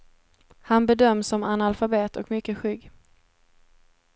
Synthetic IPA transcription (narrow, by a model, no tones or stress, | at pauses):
hanbɛd̪œmːsɔmanalfabeːt̪ʰɔkmʏkːəɧʏɡː